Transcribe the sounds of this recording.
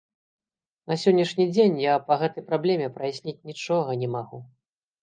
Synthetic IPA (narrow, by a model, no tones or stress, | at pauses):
nɐsʲɔnʲːɐʂnʲid͡zʲenʲjapɐɣɛt̪ɐjpɾablʲɛmʲɛpɾɐjasʲnʲit͡sʲnʲit͡ʂɔɣɐnʲɛmaɣu